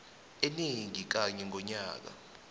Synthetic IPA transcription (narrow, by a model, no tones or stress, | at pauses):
eniŋik̬aɲɛŋʱɔɲaːk̬a̰